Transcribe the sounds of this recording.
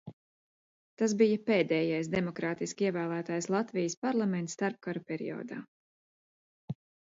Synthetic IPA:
t̪asbijɐpeːd̪ɛːjajs̬d̪ɛmɔkɾaːt̪iskiɛvæːlˠæːt̪aːjslˠat̪vijəspaɾlˠament̪st̪aɾp̚kaɾupʲɛɾḭjɔ̰ːd̪a̰ː

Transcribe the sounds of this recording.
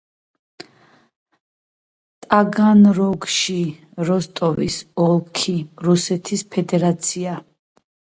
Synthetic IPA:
t̪ʼaɡanɾɔɡʃi | ɾɔst̪ʼɔvḭsɔlˠkʰiɾusɛt̪ʰispʰɛd̪ɛɾat̪sʰia

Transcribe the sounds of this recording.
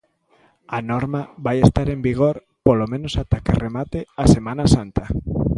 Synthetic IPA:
anoɾmaβajest̪aɾembiɣ̞oɾ | polomẽnosat̪akeremat̪easemãnasant̪a

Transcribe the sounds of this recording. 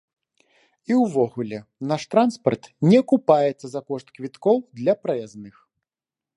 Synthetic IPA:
iwvɔɣulʲɛnaʂt̪ɾanspɐrt̪nʲɛkupajɛt̪sːɐzakɔʂt̪kvʲit̪kɔwd̪lʲɐpɾɐjaznɨx

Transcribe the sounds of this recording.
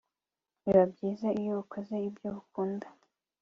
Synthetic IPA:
niβabɟiːzaijoukʰozeibjoβuk̚uːndḁ

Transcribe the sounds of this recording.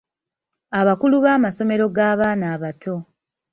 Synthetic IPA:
aβakuluβaːmaso̞me̞ɾo̞ɡaːβaːnaːβatʰo̞

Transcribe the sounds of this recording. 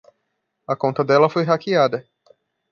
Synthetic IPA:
ɐkõnt̪ɐd̪ɛlɐfojɦakiad̪ɐ

